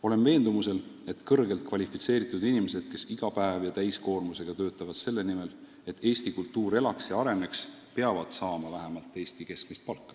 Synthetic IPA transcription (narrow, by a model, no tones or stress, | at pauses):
o̞le̞nve̞ːnd̪umuse̞le̞t̪ˑkɤrɡe̞lt̪̚kvɑlʲifit̪se̞ːɾit̪ːˑud̪̥inime̞se̞d̪̥̚ke̞siɡ̥ɑpæevjɑt̪æjsko̞ːrmuse̞ɡ̥ɑt̪ø̞ːt̪ːˑɑvɑd̪̥se̞lːe̞nime̞l | e̞t̪ʰːˑe̞ːst̪ikult̪ːuːɾe̞lɑksjɑɑɾe̞ne̞ks | pe̞ɑvɑd̪̥sɑːmɑvæɦemɑlt̪ːˑe̞ːsʲt̪ike̞sk̚mist̪̚pɑlkːɑ̥